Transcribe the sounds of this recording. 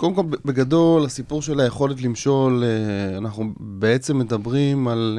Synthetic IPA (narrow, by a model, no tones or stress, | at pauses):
kodemko̞lbe̞ɡado̞lasipuʁʃe̞lajeχo̞let̪limʃo̞leanaχnu | beet͡se̞mːe̞dabʁimal